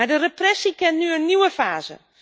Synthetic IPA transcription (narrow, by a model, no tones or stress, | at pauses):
adəreprɛsikɛnnyənːiwəfaːzə̰